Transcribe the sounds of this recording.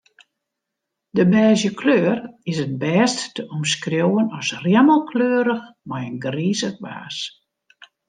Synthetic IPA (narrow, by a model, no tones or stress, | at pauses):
dəbɛːzjəkʰløːrɪsənbɛːsttəʔɔmskrjowənɔsrjɛməlˠkʰløːɾəxmajənɡriːzəxba̰ːs